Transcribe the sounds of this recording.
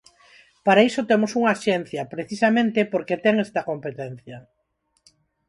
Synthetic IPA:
paɾaisot̪emosuŋaʃɛn̟θjɐpɾeθisamẽnt̪epoɾket̪ɛŋest̪ɐkompet̪ɛn̟θjɐ

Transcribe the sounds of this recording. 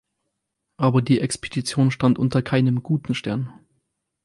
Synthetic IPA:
ʔaːbɐdiːʔɛkspʰed̥it͡sjoːnʃtantʔʊntɐkʰaɪnəmɡ̥uːtn̩ʃtɛɐn

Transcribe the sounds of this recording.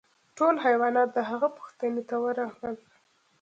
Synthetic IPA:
ʈolɦajwɑnɑt̪̚d̪əɦaɣapu̥xt̪anet̪awəɾɑwəl

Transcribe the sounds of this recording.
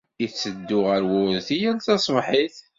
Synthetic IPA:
it͡sːəd̪ːʊʁəɾwʊðθijælt̪ɑsˤmħiθ

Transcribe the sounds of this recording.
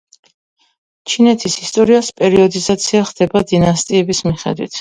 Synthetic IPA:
t͡ʃʰinɛt̪ʰisist̪ʼɔɾiaspʼɛɾiɔd̪izat̪sʰiaχd̪̥ɛbad̪inast̪ʼiɛbismiχɛ̰d̪wḭt̪ʰ

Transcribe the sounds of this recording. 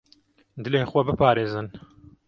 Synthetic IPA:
d̪ɨlenxwɐbɨpaːɾeːzɨn

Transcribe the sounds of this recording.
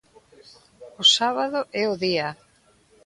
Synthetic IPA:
ʊsaβaðʊʔɛʊðia

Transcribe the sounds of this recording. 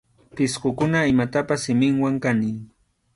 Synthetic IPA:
pɪsɢʊkʊnaɪmat̪apasːɪmɪŋwaŋkaniː

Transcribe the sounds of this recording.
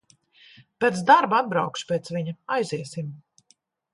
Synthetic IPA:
pʲɛːt̪sd̪aɾbad̪̚bɾa̰wkʃpʲeːt̪sviɲaajziɛsim

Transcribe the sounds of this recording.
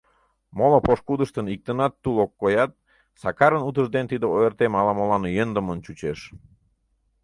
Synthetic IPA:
molopoʃkud̪əʃt̪ənik̚t̪ənɑt̪ːulokːojɑt̪̚ | sɑkɑɾənut̪əʒd̪ent̪id̪əoert̪emɑlɑmolɑnjənd̪əmənt͡ɕut͡ɕeʃ

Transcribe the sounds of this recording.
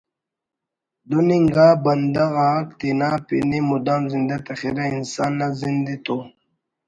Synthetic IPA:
d̪uniŋɡaːbɐnd̪aɣakt̪inaːpḭnimud̪aːnzind̪at̪ɐχiɾainsaːnːazind̪it̪o

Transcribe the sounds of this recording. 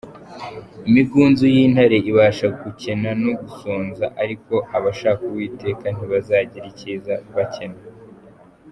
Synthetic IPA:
imiɡuːnzujiːnhaɾe̞ʔiβaːʃaɡuce̞nanoɡusoːnzaʔaɾiko̞aβaʃaːkuwiːte̞ːkan̥iβazaːɟiɾiciːzaβace̞na

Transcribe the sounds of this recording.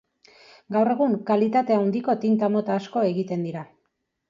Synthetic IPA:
ɡawre̞ɣ̞uŋkalit̪at̪e̞awnd̪iko̞t̪int̪amo̞t̪aːsko̞e̞ɣit̪e̞nd̪iɾa

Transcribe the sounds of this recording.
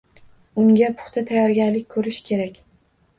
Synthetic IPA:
ʊŋɡʲapʰʊ̥χt̪ʰat̪ʰajɒɾɡʲanlɪkʲkʰɵɾɪʃkʲʰe̞ɾakʲ

